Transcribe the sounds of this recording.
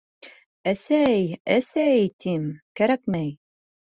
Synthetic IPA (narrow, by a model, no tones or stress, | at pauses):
æsæjæsæjt̪imkæɾæk̚mæj